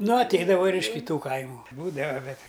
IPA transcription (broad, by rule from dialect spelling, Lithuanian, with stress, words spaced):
ˈnʊ ɐtʲˈɛɪdɐʋɐ ɪr ɪʃ kʲɪˈtuː ˈkɐɪmʊ ˈbuːdɐʋɐ ˈbʲɛt